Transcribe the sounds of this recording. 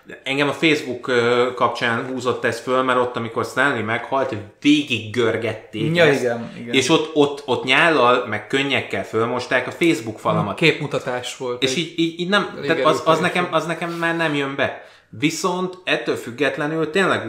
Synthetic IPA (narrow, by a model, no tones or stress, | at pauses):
ɛŋɡɛmɒfeːzbukːkːɒp̚t͡ʃaːnɦuːzo̞t̪ːɛst̪følmɛɾo̞t̪ːɒmiko̞rsɛnlimɛkhɒlt̪veːɡiɡːørɡɛt̪ːeːksɛniɡeːʃo̞t̪ːot̪ːot̪ɲaːlːɒlmɛk̚køɲːɛkːɛlfølmo̞ʃt̪aːkɒfeːzbukfɒlɒmɒt̪keːpmut̪ɒt̪aːʃʋolt̪eːʃiːɟiːɟiːɟnɛmaɒzɒznɛkɛmɒznɛkɛmːaːrnɛmjømbɛ | viso̞nt̪ɛt̪ːøːlfyɡːɛt̪lɛnylt̪eːnlɛɡ